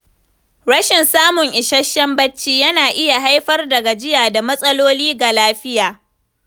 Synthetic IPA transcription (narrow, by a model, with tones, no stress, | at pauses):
ɽɐ˦ʃɪ˨nsaː˦mʊ˨ŋʔɪ˨ʃɐ˦ʃːɐ˦mbɐ˦t͡ʃːiː˦jɐ˦naː˨ʔɪ˦ja˨ɦa˦jɸɐ˦rdɐ˨ɡa˨d͡ʒɪ˦jaː˨da˨mɐ˦sʼɐ˦loː˦liː˦ɡa˨laː˦ɸɪ˦jaː˨